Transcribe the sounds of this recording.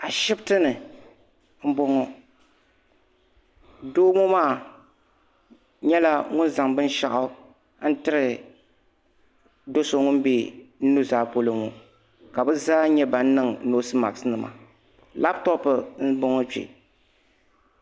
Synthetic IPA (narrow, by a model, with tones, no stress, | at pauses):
a˨ʃɪ˦btɨ˦nɨ˨ | m̩˦bɔ˦ŋɔ˦ | doː˦mɔ˦maː˦˨ | ɲɛ˦la˦ŋʊ˦nza˨ŋbɨ˦n˦ʃa̰˨ʔʊ˦ | n̩˦tɨ˦ɾɨ˨ | do˦so˨ŋʊ˦n˦be˦n̩˦nu˦zaː˦˨po˦lɨ˦mo˨ | ka˨bɨ˦zaː˦ɲɛ˦ba˨n̩˦nɨ˦ŋno˦sɨ˦ma̰˨ksnɨ˨mʔa̰˨ | la˦ptɔ˦pɨ˨n̩˦bɔ˦ŋɔ˦t͡ʃḛ˨